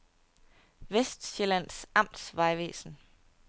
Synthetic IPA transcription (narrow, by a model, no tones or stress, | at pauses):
ʋesd̥ɕelæn̰sɑ̈m̰d̥sʋɑ̈ɪʋḛːsn̩